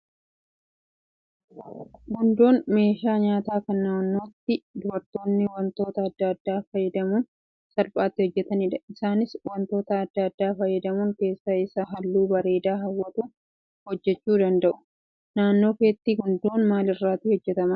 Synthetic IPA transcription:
ɡʊnd̪o̞ːnme̞ːʃaːɲaːt̪aːkɐnːanːo̞ːt̪ːɪd̪ʊbɐɾt̪o̞ːnːɪwɐnt̪o̞ːt̪ɐːd̪ːɐːd̪ːaːfɐjːɛd̪ɐmuːn | sɐlpʼaːt̪ːɪhɔd͡ʒːɛt̪ɐniːᶑɐɪsaːnɪswɐnt̪o̞ːt̪ɐːd̪ːɐːd̪ːaːfɐjːɛd̪ɐmuːŋke̞ːsːɐɪsːɐɦɐlːuːbɐɾe̞ːd̪aːɦɐwːɐt̪uː | hɔd͡ʒːɛt͡ʃːuːd̪ɐnd̪ɐʔʊ̥ | naːnːo̞ːkeːt̪ːiːɡʊnd̪o̞ːnmaːlɪrːaːt̪iːhɔd͡ʒːɛt̪ɐmɐ

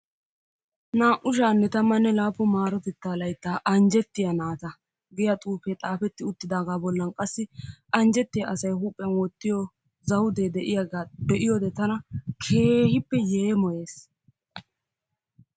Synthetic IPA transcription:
naːʔʊʃ̬aːnːɛt̪ɐmːɐnːɛlaːpːɔmaːɾɔt̪ɪt̪ːaːlɐjt̪ːaːʔɐnd͡ʒɛt̪ːɪjɐnaːt̪ɐ | ɡɪjɐt̪ʼuːfɛt̪ʼaːfɛt̪ːɪʊt̪ːɪd̪aːɡaːbɔlːɐnkʼɐsːɪʔɐnd͡ʒɛt̪ːɪjɐʔɐsɐjhuːpʼːɛnwɔt̪ːɪjɔ | zɐwʊd̪ed̪ɛʔɪjɐɡaːbɛʔɪjɔd̪ɛt̪ɐnɐkʰe̞ːhɪpːɛjeːmɔje̞ːs

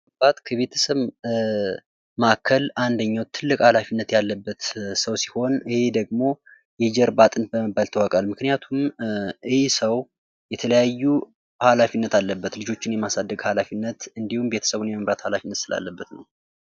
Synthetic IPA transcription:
bat̪kʰəβe̞t̪ʰə̥səβ | makʰəland̪əɲːawt̪ʰːɨlːɨkʼhalafinːət̪jalːəbːət̪səwsi̥ho̞nɨhe̞d̪əɡmo̞ | jɛd͡ʒɛɾbat̪ʼɨnbəməbːalt̪ʰəwakʼalmɨknijat̪ʰumʔɨhesəw | jɛt̪ʰələjajːu | halafinːət̪alːəbːət̪lɨd͡ʒo̞t͡ʃːɪnjɛmasad̪ːəɡhalafinːət̪ɨnd̪ihumbe̞t̪ʰə̥səβunjɛməmɾat̪halafinːət̪sɨla̰lːəbːət̪nə̰w

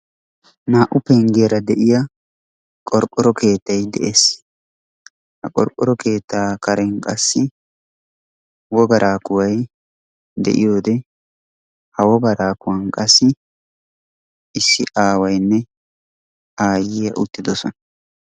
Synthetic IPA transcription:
naːʔʊpɛŋɡeːɾɐd̪ɛʔɪjɐ | kʼɔɾkʼːɔɾɔkʰe̞ːt̪ːɐjd̪ɛ̰ʔe̞ːs | hɐkʼɔ̰ɾkʼːɔɾɔkʰe̞ːt̪ːaːkɐɾɛŋkʼɐsːɪ | wɔɡɐɾʔaːkʊwɐj | d̪ɛ̰ʔɪ̰jo̞ːd̪ɛ | hɐwɔɡɐɾaːkʊwɐnkʼɐsːɪ | ɪsːɪʔaːwɐjnːɛ | aːjɪjɐʔʊt̪ːɪd̪ɔsɔnɐ

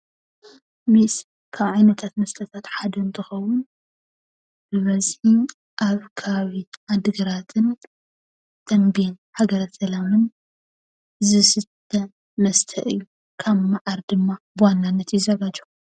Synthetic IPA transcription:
mis | kʰaβʕajnɐt̪ʰat̪mɐst̪ʰɐt̪ʰat̪ħad̪ɐnt̪ʰɨxɐwʊn | bɨβɐzħi | ʔaβkʰɐβaβiʕad̪ɨɡɐɾat̪ʰɨn | t̪ʰɐnben | ħaɡɐɾɐsɐlamɨn | zɨsɨt̪ʰːɐ | mɐst̪ʰɐ̰ʔɨ̰jːu | kʰaβːaʕaɾd̪ɨmːabɨwanːanːɐt̪jɪzɐɡad͡ʒɐ̥

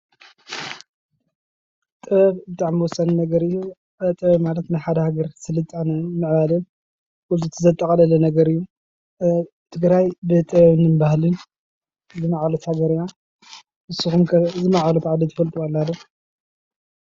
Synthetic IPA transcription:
t̪ʼɨβɐβbɨt̪ʼaʕmiwɔsːɐnnɐɡɐɾɨjːu | t̪ʼɐβɐβmalɐt̪naħad̪ɐhaɡɐɾsɨlɨt̪ʼanɐmɨʕβalɨn | ʔutʼɨt̪ʰɨzɐt̪ʼːɐkʼɐlɐlɐnɐɡɐɾɨjːu | t̪ʰɨɡɾajbɨt̪ʼɨβɐβnɨnbahlɨn | zɨmaʕalot̪haɡɐɾija | ʔɨsuxumkʰɐzɨmaʕalot̪ʕad̪it̪ʰɨfɐlt̪ʼualːalːo

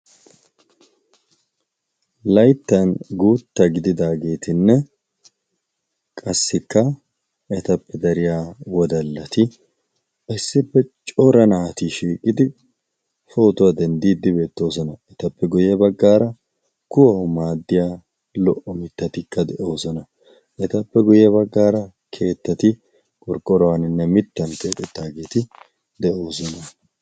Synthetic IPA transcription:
lɐjt̪ːɐnɡuːt̪ːɐɡɪd̪ɪd̪aːɡe̞ːt̪ɪnːɛ | kʼɐsːɪkːɐ | ɛt̪ɐpːɛd̪ɐɾɪjaːwɔd̪ɐlːɐt̪ɪ | ɪsːɪpːɛt͡ʃʼɔɾɐnaːt̪iʃiːkʼɪd̪ɪ | fo̞ːt̪ʊwad̪ɛnd̪iːd̪ːɪbe̞ːt̪ːo̞ːsɔnɐɛt̪ɐpːɛɡʊjɐbɐɡːaːɾɐ | kʊwɐmaːd̪ːɪjaː | lɔʔɔmɪt̪ːɐt̪ɪkːɐd̪ɛʔo̞ːsɔnɐ | ʔɛt̪ɐpːɛɡʊjːɐbɐɡːaːɾɐ | kʰe̞ːt̪ːɐt̪ɪ | kʼɔɾkʼːɔɾɔwɐnɪnːɛmɪt̪ːɐnt̪eːt̪ʼɛt̪ːaːɡeːt̪ɪ | d̪ɛʔo̞ːsɔnɐ

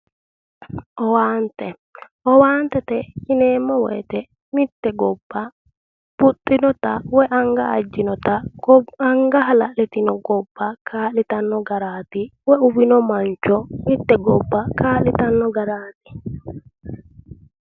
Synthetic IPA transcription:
ʔɔwaːnt̪ɛ | ʔɔwaːnt̪ɛt̪ɛt͡ʃɪneːmːɔwɛ̰ːt̪ɛ | mɪt̪ːɛɡɔbːɐ | b̥ʊt̪ʼːɪnɔt̪ɐawɛʔɐŋɡɐːd͡ʒːɪnɔt̪ɐɐŋɡɐɦɐlɐʔlɛt̪ɪnɔɡɔbːakʰaːlɪt̪ɐnːɔɡɐɾaːt̪ɪwɛʊbɪnɔmɐnt͡ʃɔmɪt̪ːɛɡɔbːɐkaːlɪt̪ɐnːɔɡɐɾaːt̪ɪ̥

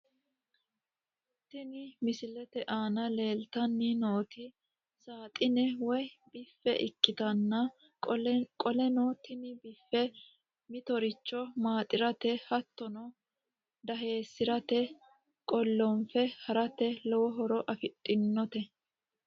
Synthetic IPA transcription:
t̪ɪnɪmɪsɪlɛt̪ɛʔaːnɐle̞ːlt̪ɐnːinoːt̪ɪ | saːt̪ʼɪnɛwɔjbɪfːɛʔɪ̰kʼːɪt̪ɐnːɐ | kʼɔlɛnɔt̪ɪnɪbɪfːɛ | mɪt̪ɔɾɪt͡ʃːɔmaːt̪ʼɪɾɐt̪ɛhɐt̪ːɔnɔ | d̪ɐɦe̞ːsːɪɾɐt̪ɛ | kʼɔlːɔnfɛhɐɾɐt̪ɛlɔwɔɦɔɾɔʔɐfɪt̪ʼːɪnːɔt̪ɛ

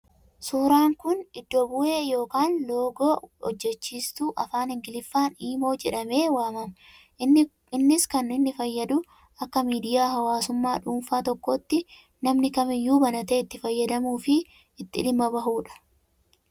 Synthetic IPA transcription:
suːɾaːŋkʊnɪd̪ːobʊʔe̞ːjo̞ːkaːnlo̞ːɡoːɔ̰d͡ʒːɛt͡ʃːiːst̪uːʔɐfaːnhɪŋɡɪlɪfːaːniːmo̞ːd͡ʒɛᶑɐme̞ːwaːmɐmɐ | ɪnːɪskɐnɪnːɪfɐjːɐd̪ʊ | ɐkːɐmiːd̪ɪjaːɦɐwaːsʊmːaːᶑuːnfaːt̪ɔkːɔt̪ːɪ | nɐmnɪkɐmɪjːuːbɐnɐt̪e̞ːɪt̪ːɪfɐjːɐd̪ɐmuːfɪ | ɪt̪ːɪ̰ᶑɪmːɐbɐɦuːᶑɐ̥

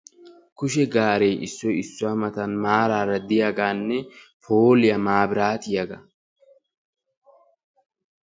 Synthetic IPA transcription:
kʊʃɛɡaːɾejʔɪsːɔjɪsːʊwɐmɐt̪ɐnmaːɾaːɾɐd̪ɪjaɡaːnːɛpʰoːlɪjɐmaːbɪɾaːt̪ɪjɐɡɐ

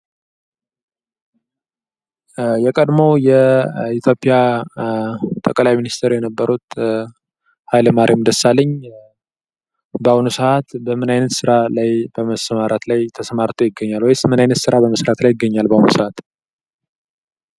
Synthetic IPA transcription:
jɛkʼəd̪mo̞wjɛit̪ʰjo̞pʼja | t̪ʼəkʼlajminist̪ʰeɾjɛnəbːəɾut̪ | hajləmaɾʔimd̪əsalːəɲː | bəawnusəʔat̪bəmɨnajnət̪sɨɾalajbəməsəmaɾat̪lajt̪ʰəsəmaɾt̪ʰojɪɡːəɲːalwɔjsmɨnajnət̪sɨɾabəməsɾat̪lajɪɡəɲːalbawnṵsəʔat̪

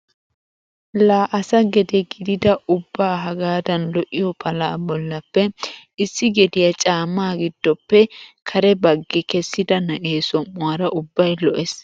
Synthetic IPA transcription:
laːʔɐsɐɡɛd̪ɛɡɪd̪ɪd̪ɐʔʊbːaːɦɐɡaːd̪ɐnlɔʔːɪjɔpʰɐlaːbɔlːɐpːɛ | ɪsːɪɡɛd̪ɪjɐt͡ʃʼaːmːaːɡɪd̪̥ːɔpːɛkʰɐɾɛbɐɡːɛkɛsːɪd̪ɐnɐʔeːsɔmːʊwaɾɐʔʊbːɐjlɔʔɛs

